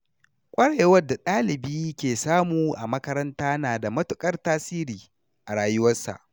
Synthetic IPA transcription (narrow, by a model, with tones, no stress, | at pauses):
kʷʼɐ˦ɽe˨wɐ˦da˨ɗaː˦lɪ˨biː˦kʲeː˨saː˦muː˨ʔa̰˨mɐ˦kɐ˦ɾɐ˦ntaː˦naː˨da˨mɐ˦tʊ˨kʼɐ˦rtaː˦siː˦ɾiː˨ | ʔa˨ɽaː˦jʊ˦wɐ˦sa̰˨ʔ